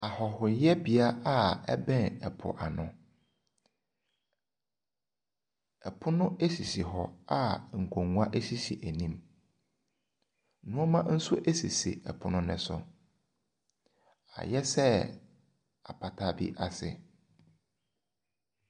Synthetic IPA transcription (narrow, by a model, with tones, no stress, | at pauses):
a˨hɔ˨hʊ˨˦jɛ˦bi˨a˦a˦ɛ̰˦bɛ̃˦nɛ˨pʰʊ̰˨ʔa˨nʊ̰̃˨ | ɛ˨pʰʊ˦nʊ̃˦ʔe˦si˨si˨ɦɔ˦˨a˦ŋ̩˨kʰõ˨ŋũ˨˦a˦ʔe˦si˦sḭ˨ʔæ˨nĩ˦˨m | nʊ̃˦ɔ˦mã˦n̩˦sʊ˦ʔæ˦si˨sḭ˨ʔɛ̰˨pʰʊ˦nʊ̃˦nɪ̰̃˦sʊ̰˨ | a̰˨jɛ˦sɛ˦ | a˨pʰa˨tʰa˦bḭ˦ʔa˨sɪ̰˨